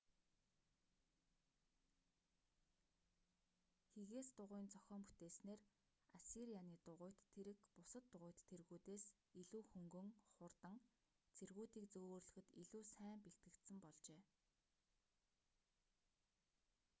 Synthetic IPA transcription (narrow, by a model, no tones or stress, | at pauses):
xeɣeːst̪ʊʁʊːnt͡sœxʲɔːmput̪eːsneːr | asiɾijaniːt̪ʊʁʊːjʰt̪ʰːeɾɘ̆kpʊsə̆t̪ːʊʁʊjʰt̪ʰːerɣuːt̪eːs | iɮuːxɵŋɡɵ̆ŋχʊrt̪ə̆ŋ | t͡sʰerɣuːt̪iːkt͡soɣrɮɵ̆xɘ̆t̪iɮuːsæːmpekt̪ɡɘ̆kt̪sɘ̆mpɔɮt͡ɕeː